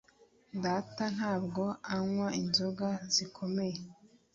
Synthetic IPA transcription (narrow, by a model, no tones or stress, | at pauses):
daːtan̥haːbɡo̞aŋwainzoɡazikʰo̞me̞je